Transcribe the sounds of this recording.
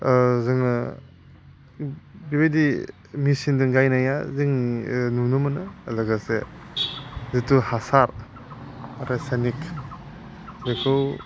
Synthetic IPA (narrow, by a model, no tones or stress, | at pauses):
zɯŋa | bibedi | misindɯŋɡajnajaziŋnunɯmɯnɯːlaɡase | zituhasaɾ | ɾesanikʰ | zekʰɯw